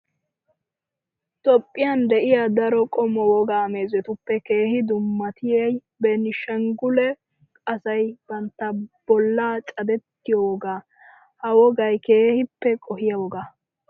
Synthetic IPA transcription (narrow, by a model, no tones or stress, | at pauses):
t̪ɔpʼːɪjand̪ɛʔɪjad̪ɐɾɔkʼɔmɔwɔɡaːme̞ːzɛt̪ʊpːɛkeːhɪd̪ʊmːɐt̪ɪjɐj | bɛnɪʃɛŋɡʊlɛ | kʼɐsɐjb̥ɐnt̪ːɐb̥ɔlːaːt͡ʃʼɐd̪ɛt̪ːɪjɔwɔɡaː | hɐwɔɡɐjke̞ːhɪpːɛkʼɔhɪjɐwɔɡaː